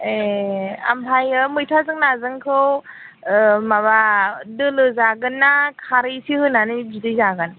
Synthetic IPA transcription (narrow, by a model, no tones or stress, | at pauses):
ea̰mpʰajɯmɯjtʰazɯŋnazɯŋkʰɯw | maβadɯlɯzaɡɯnːakʰaɾijsihɯnanɯzidɯjzaɡɯn